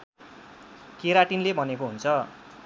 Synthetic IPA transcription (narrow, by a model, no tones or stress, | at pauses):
keɾaʈinlebʱʌnek̬oɦunt͡sʰʌ